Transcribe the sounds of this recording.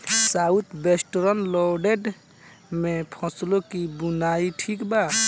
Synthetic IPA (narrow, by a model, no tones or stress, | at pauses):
saut̪besʈɔɾɔnlɔɖeɖ | mepʰɔ̃slokibunaiʈʰikba